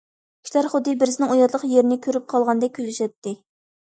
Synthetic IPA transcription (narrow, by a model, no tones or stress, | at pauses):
i̥ʃlæɾχʊd̪ːɨbɪɾzɪnɪŋujɑt̪lˠəqjeɾɪnɪkʲʰøɾyp̚qʰɑlˠʁɑnd̪ɛkʲʰølɪʃɛt̪ːɪ